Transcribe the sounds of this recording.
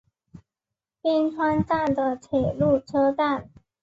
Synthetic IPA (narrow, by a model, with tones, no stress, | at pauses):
pi˥nʈ͡ʂʰwa˥nt͡sa˥˩nd̪ə˨˩tʰwe˨˩lu˥˩ʈ͡ʂʰɤ˥t̪a˥˩n